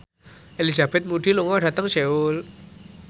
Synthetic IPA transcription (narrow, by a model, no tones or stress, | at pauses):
ʔelizab̥ɛt̪̚muɖiluŋɔɖä̤t̪əŋseul